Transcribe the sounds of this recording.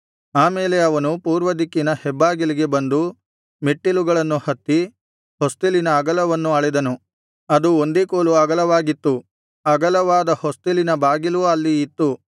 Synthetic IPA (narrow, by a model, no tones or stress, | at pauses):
aːmeːle̞ɐʋɐnupuːɾʋɐd̪ikːinɐhɛbːaːɡiliɡe̞bɐnd̪u | meʈːiluɡɐɭɐnːuhɐt̪ːi | host̪ilinɐːɡɐlɐʋɐnːuɐɭɛd̪ɐnu | ɐd̪uond̪eːkoːluɐɡɐlɐʋaːɡit̪ːu | ɐɡɐlɐʋaːd̪ɐhost̪ilinɐbaːɡiluɐlːiːt̪ːu